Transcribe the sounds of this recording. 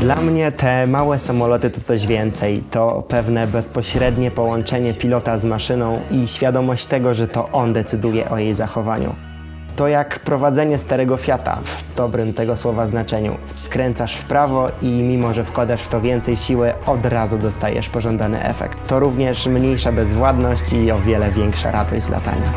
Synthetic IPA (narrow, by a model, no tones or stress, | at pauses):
d̪lamɲɛt̪ɛmawɛsamɔlɔt̪ɘt̪ɔ̥t̪sɔʑvʲjɛnt̪sɛjt̪ɔpɛvnɛbɛspɔɕɾɛd̪ɲɛpɔwɔnt͡ʂɛɲɛpʲilɔt̪azmaʂɘnɔ̃w̃iɕfʲjad̪ɔmɔɕt͡ɕt̪ɛɡɔʐɛt̪ɔʔɔnd̪ɛt̪sɘd̪ujɛ̰ʔɔjejzaxɔvaɲṵ | t̪ɔjakpɾɔvad̪zɛɲɛst̪aɾɛɡɔfʲjat̪a̰vd̪̥ɔbɾɘmt̪ɛɡɔswɔvaznat͡ʂɛɲṵ | skɾɛnt̪saʂfpɾavɔimʲimɔʐɛfkwad̪aʂft̪ɔvʲjɛnt̪sɛjɕiwɘɔd̪ɾazud̪ɔst̪ajɛ̰ʂpɔʐɔnd̪anɘ̰ʔɛ̰fɛ̰kt̪ːɔɾuvɲɛʂmɲejʂabɛzvwad̪nɔɕt͡ɕiɔvʲjɛlɛvʲjɛŋkʂa̰ɾad̪ɔɕd͡ʑzla̰t̪a̰ɲa̰